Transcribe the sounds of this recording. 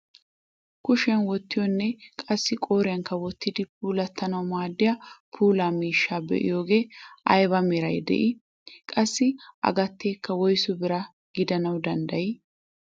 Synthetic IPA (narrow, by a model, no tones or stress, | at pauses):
kʊʃɐnwɔt̪ːɪjɔnːɛkʼɐsːɪkʼo̞ːɾɪjɐŋkːɐwɔt̪ːɪd̪ɪp̚ʰuːlɐt̪ːɐnɐwmaːd̪ːɪjɐpʰuːlaːmiːʃːaːbɛ̰ʔɪ̰jo̞ːɡe̞ːʔɐjbɐmɛɾɐjd̪ɛ̰ʔɪ | kʼɐsːɪʔɐ̰ɡɐt̪ːeːkːɐwɔjsʊbɪɾɐ | ɡɪd̪ɐnɐwd̪ɐnd̪ɐjɪ